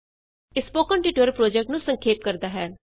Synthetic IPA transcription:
ɪspoːkəɳʈɪʈəɾpɾoːd͡ʒɛk̚ʈnũːsəŋkʰeːp̚kəɾd̪aːɦɛː

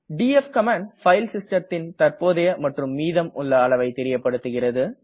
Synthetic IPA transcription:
ɖiːɛfkɐmaːɳfɐɪlsɪsʈɐt̪ːɪnt̪ɐɾpoːðɐjɐmɐʈrɯmːiːðɐmʊɭːɐːɭɐʋɐɪt̪ɛɾɪjɐpːɐɽɯt̪ːɯɣɪrɐðɯ

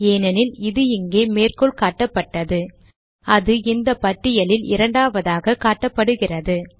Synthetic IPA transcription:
eːnɐnɪlɪðɯɪŋɡeːmeːrkɯɭkaːʈːɐpːɐʈːɐðɯ | ɐðɯɪnd̪ɐpɐʈːɪjɐlɪlɪ̰ɾɐɳɖaːʋɐðaːɣɐkaːʈːɐpːɐɽɯɣɪrɐðɯ

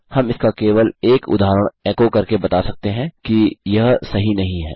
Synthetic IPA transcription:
hɐmɪskakeːʋəleːkʊ̰d̪aːɾəɽ̃ɛːkokɐɾkebɐt̪asɐk̚t̪eɦɛ̃kijɐɦsɐɦinɐɦĩɦɛ̰ː

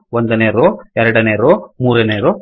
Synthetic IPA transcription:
ʋond̪ɐneːɾuɛɾɐɽɐneːɾumuːɾɐneːɾu

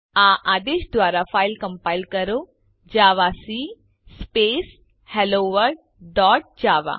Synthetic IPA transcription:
aʔaːd̪eːʃd̪ʋaːɾafaːilkɐ̃mpaːjlkɐɾo | d͡ʒaːʋasi | speːs | heloːʋəɾɖ | ɖɔːʈ̚d͡ʒaːʋa̰

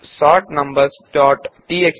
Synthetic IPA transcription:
sɔːʈnɐ̃mbəɾsʈɔːʈʈiːek

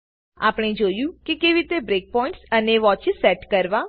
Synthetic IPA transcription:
a̰ːpɽ̃ẽd͡ʒoːjũkikeːʋit̪ebɾeːk̚pɔːɪ̃ɳʈsəneʋɔːt͡ʃɪzsːɛːʈkəɾʋã

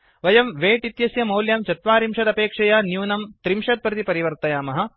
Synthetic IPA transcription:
ʋɐjɐmʋeːʈit̪jɐsjɐmɐwljɐmt͡ʃɐt̪ʋaːɾimʂɐd̪ɐpeːkʂɐjɐnjuːnɐmt̪ɾimʂɐt̪̚pɾɐt̪ipɐɾiʋɐɾt̪ɐjaːmɐɦɐ̆

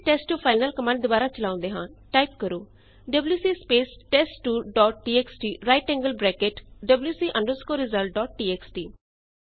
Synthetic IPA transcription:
ʈɛːsʈːupʰaːɪnəlkəmɛ̃ːɳʈd̪ʊbaːɾat͡ʃəlãːnd̪eːɦã̰ːnʈaːɪpkəɾuː | ɖəbljuːsiːspeːsʈɛːsʈuːɖɔːʈ̚ɖiːeːksʈiːɾaːɪʈɛ̃ːŋɡəlbɾɛːkeʈɖəbljuːsiːʔə̃ɳɖəɾskoːɾɪzəlʈ̚ɖɔːʈ̚ʈiːeksʈiː

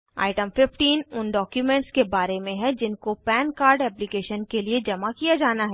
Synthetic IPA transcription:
a̰ːɪʈəmfɪfʈiːnʊnɖɔːkjumɛ̃ːɳʈskebaːɾemẽɦɛ̃d͡ʒɪnkopɛːnkaːɾɖɛːplikeːʃənkelied͡ʒɐmakijad͡ʒaːnaɦɛː

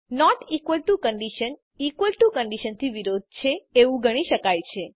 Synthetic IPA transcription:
nɔʈikʋəlʈukəɳɖiʃən | ikʋəlʈukəɳɖiʃənt̪ʰiʋiɾod̪̚ʱt͡ʃʰeːʋũɡʱəɽ̃iʃəkajt͡ʃʰe

